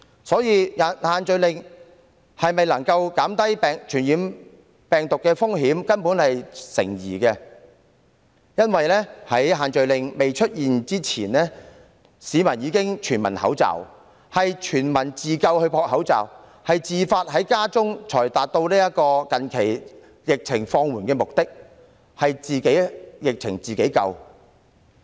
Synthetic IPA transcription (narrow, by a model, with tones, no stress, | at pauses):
sɔː˨˥jiː˨˧jɐ˨˩nhaː˨nt͡ʃɵ˨ɥlɪ˨ŋ | hɐ˨jmɐ˨jlɐ˨˩ŋkɐ˧wkaː˨˥mt̪ɐ˥jpɛː˨ŋt͡ʃʰyː˨˩njiː˨˧n | pɛː˨ŋt̪ʊ˨kːɛː˧fʊ˥ŋɦiː˨˥mkɐ˥npuː˨˥nhɐ˨jsɪ̰˨˩ŋjḭː˨˩kɛː˧ | jɐ˥nwɐ˨jlɛː˥hɐ˨˥jɦaː˨nt͡ʃɵ˨ɥlɪ˨ŋme˨jt͡ʃʰɵ˥t̚jiː˨nt͡siː˥t͡sʰiː˨˩nlɛː˥ | siː˨˧mɐ˨˩njiː˨˧kɪ˥ŋt͡ʃʰyː˨˩nmɐ˨˩nhɐ̰˨˥wt͡sɐ̰˨˩w | hɐ˨jt͡ʃʰyː˨˩nmɐ˨˩nt͡siː˨˩kɐ˧whɵ˧ɥpʰɔː˧k̚hɐ˨˥wt͡sɐ̰˨w | hɐ˨jt͡siː˨faː˧t̚ɦɐ˨˥jkaː˥t͡sʊ˥ŋt͡ʃʰɔː˨˩jt̪aː˨t̚t̪o˧wniː˥jɐ˥t̚kɔː˧kɐ˨nkʰe˨˩j | jɪ˨k̚t͡sʰɪ˨˩ŋfɔː˧ŋwuː˨˩nkɛː˧mʊ˨k̚t̪ɪ˥k̚ | hɐ˨jt͡siː˨ke˨˥jjɪ˨k̚t͡sʰɪ̰˨˩ŋt͡siː˨ke˨˥jkɐ̰˧w